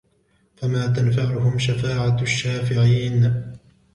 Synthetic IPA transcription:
famaːt̪̬anfaʕʊhʊmʃafaːʕaʃːaːfɪʕiːn

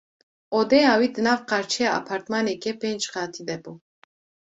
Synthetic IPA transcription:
od̪ɛjaːwiːd̪ɨnaːvqaɾt͡ʃʰɛjaa̰pʰaːɾt̪manɛkɛpeːnd͡ʒχɑːt̪ʰid̪ɛbuː

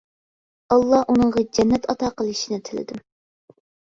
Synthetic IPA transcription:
ɑlˠːɑʔunɨŋʁɑd͡ʒɛnːɛt̪ɑt̪ɑːqəlˠɨʃinɪt̪ʰɪlɪ̰d̪u

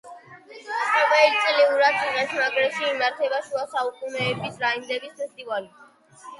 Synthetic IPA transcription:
pʼɔvɛlit̪sʼliuɾad̪iʁɛt̪ʰnaɡɾɛʃiːmaɾt̪ʰɛbaʃuasaukʼunɛːbisɾaind̪ɛbispʰɛst̪ʼivali

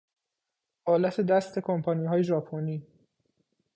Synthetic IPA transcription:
ʔɒːlæt̪ʰe̞d̪æst̪ʰe̞kʰompʰɒːniːɦɒːje̞ʒɒːpʰoniː

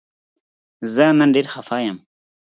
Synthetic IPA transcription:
zənanɖeɾxafaːjam

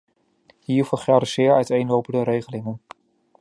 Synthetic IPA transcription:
hiːɹfəχɛɾəsɪːɹœɥtejnlowpəndəɾejχəlɪŋən

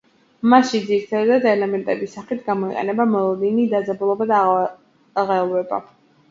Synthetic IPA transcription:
maʃid̪ziɾt̪ʰad̪d̪ad̪ɛlɛmɛnt̪ʼɛbisaχit̪ʰɡamɔiqʼɛ̰nɛbamɔlˠɔd̪inid̪ad̪zabulˠɔbad̪a | ʁɛlˠwɛba̰

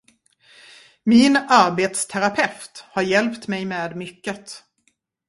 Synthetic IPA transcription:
mɪnaɾbeːt̪st̪ʰæɾapʰɛft̪haɾjɛlpt̪mɛjmeːd̪mʏkːət̪

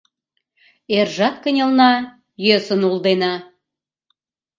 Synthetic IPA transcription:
erʒɑt̪kənʲelˠnɑ | jøsə̆nulˠd̪enɑ

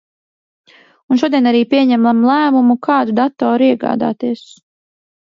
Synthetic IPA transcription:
unʃ̬uɔd̪ijɛnaɾiːpʲiɛɲæmamlˠæːmumukʰɑːd̪ud̪at̪ːɔːɾiɛɡɑ̰ːd̪a̰ːt̪iɛs

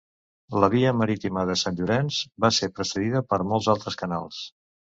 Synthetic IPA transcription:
ləβ̞iəməɾit̪iməðəsanʲʒuɾɛnzbasepɾəsəðiðəpəɾmolˠzalˠt̪ɾəskəna̰lˠs

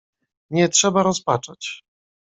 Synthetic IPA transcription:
ɲɛtʂɛbaɾɔspat͡ʂɔ̃t͡ɕ

